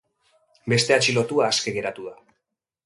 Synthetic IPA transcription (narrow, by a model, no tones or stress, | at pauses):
be̞st̪e̞at͡ʃilo̞t̪uaːske̞ɣe̞ɾat̪uða